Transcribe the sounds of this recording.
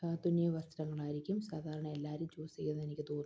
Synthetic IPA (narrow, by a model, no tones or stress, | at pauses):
t̪unːijɐʋɐst̪ɾɐŋːɐɭaːjiɾikʲːumsaːd̪ʱaːɾɐɳɐe̞lːaːɾumt͡ɕoːsikʲːunːɨe̞nikʲːɨt̪oːr